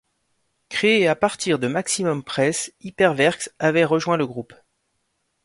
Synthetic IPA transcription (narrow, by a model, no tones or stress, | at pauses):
kχeːapaʁt̪iʁd̪əmaksimɔmpχɛsipɛʁvɛʁksavɛʁəʒwɛ̃ləɡʁup